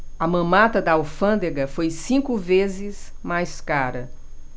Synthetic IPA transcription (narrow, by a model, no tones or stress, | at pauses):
ɐmɐ̃mat̪ɐd̪ɐawfɐ̃nd̪eɡɐfojsĩkʊvezɪsmajskaɾɐ